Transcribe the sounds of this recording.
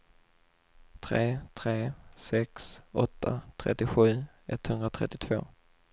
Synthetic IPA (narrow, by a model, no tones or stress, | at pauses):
t̪ʰɾeːt̪ʰɾeːsɛksɔt̪ʰːa̰t̪ʰɾɛ̰t̪ːɪɧʉ̟ː | ɛt̪ːhɵnɾat̪ʰɾɛt̪ːɪt̪ʰv̥o̰ː